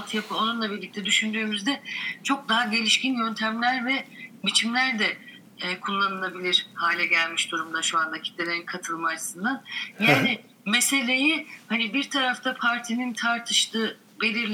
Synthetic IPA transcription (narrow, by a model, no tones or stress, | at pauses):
t̪ʰjapʰɯonunlˠabiɾlʲic̚t̪ʰɛd̪yʃynd̪yømyzd̪ɛt͡ʃʰo̞k̚d̪aɦaɟe̞lʲiʃcinjø̞nt̪ʰæmlʲæɾvɛbit͡ʃʰimlʲæɾd̪ɛ | ɛːkʰulˠːanɯlˠabilʲiɾ̥haːlʲɛɟælʲmiʃd̪uɾumd̪aʃuanacʰi̥clʲelʲe̞ɾinkʰat̪ʰɯlˠmaaɾʰɯ̥sɯnd̪anjaːnɪ | me̞se̞lʲe̞jɪhanibiɾt̪ʰaɾaft̪ʰapʰaɾt̪ʰinint̪ʰaɾt̪ʰɯʃt̪ʰɯː | be̞lʲiɾlʲ